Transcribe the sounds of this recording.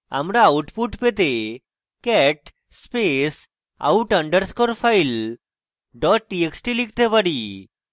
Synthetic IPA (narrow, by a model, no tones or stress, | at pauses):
a̰mɾaːwʈpuʈpet̪e | kɛʈ | spes | a̰uʈə̃ɳɖəɾskɔɾfajl | ɖɔʈ̚ːieksʈilik̚ʰt̪epaɽi